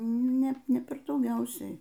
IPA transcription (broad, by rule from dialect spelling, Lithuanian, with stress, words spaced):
ˈnʲɛ ˈnʲɛ ˈpʲɛr dɐʊˈɡʲɛʊsʲɛɪ